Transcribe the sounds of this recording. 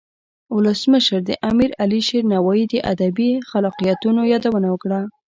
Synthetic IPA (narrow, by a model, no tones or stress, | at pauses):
ʊləsməʃəɾd̪əʔamiɾaliʃeɾnawaid̪əʔa̰d̪abixalɑqijɑt̪unojɑd̪awənawəkɽa